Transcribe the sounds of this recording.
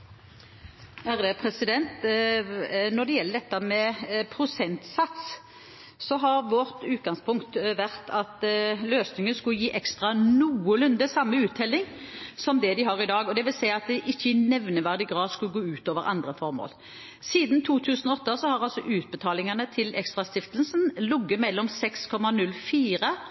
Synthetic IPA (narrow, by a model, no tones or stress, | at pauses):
æʁəpʰʁɛsɪd̪ɛnt̪ | nɔd̪ɛjɛlːəɖɛt̪ːəmɛpʰɾʊsɛnt̪sɑt̪s | sɔɦɑɾʋɔʁt̪ʉːt̪̚ɡɑŋspʰʊŋkt̪ʋæʁt̪ʰɑt̪løːsnɪŋənskʉjiːʔɛkst̪ʁɑnuːəlʉnd̪əsɑmːəʉːt̪ʰːɛlːɪŋ | sɔmd̪ɛd̪ɪɦɑʁɪd̪ɑːɡɔd̪ɛʋɪlsæɪɑt̪̚d̪ɛʔɪçːəɪnɛʋnəʋæʁd̪ɪɡʁɑːd̪skʉlɡoːʉːt̪oːʋəʁɑ̰nd̪ʁəfɔʁmo̰ːl | siːd̪nt̪ʰuːt̪ʰʉːsən̩ɔɔt̪ːəsɔhɑʁɑlsɔʔʉːt̪̚bət̪ʰɑːlɪŋənət̪ʰɪlɛ̰kst̪ʁɑst̪ɪft̪əlsnlʊɡːəmɛlːɔmsɛkskʰɔmɑnʉlːfiːɾə